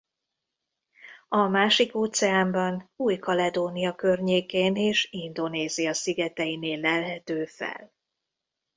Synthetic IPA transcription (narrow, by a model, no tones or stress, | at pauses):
ɒmaːʃikoːt̪sɛaːmbɒnuːjkɒlɛd̪oːnijɒkø̞rɲeːkeːneːʃind̪o̞neːziɒsiɡɛt̪ɛjineːlːɛlɦɛt̪øːfɛ̰l